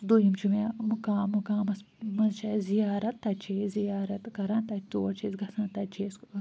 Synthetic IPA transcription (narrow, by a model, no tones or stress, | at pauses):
d̪ujimt͡ʃʰumemukaːmukaːmɐs | mɐzt͡ʃʰɐzijaːɾɐt̪ːɐt͡ʃʰeːzijaːɾɐt̪kɐɾant̪ɐt͡ʃt̪uːɐt͡ʃʰeːsɡɐsɐ̃nt̪ɐt͡ʃʰeːs